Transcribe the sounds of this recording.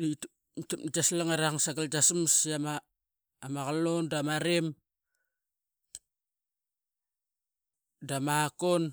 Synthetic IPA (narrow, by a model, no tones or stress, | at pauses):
it | tapd͡ʒaslaŋaɾaŋsaɡald͡ʒasmsama | maɣalondamaɾem | damakon